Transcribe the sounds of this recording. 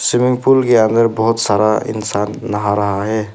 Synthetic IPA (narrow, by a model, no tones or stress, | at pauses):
sɪmɪŋpulkeə̃nd̪əɾbɔɦʊt̪saɾaɪ̰nsanːəɦaɾəɦaɦɛ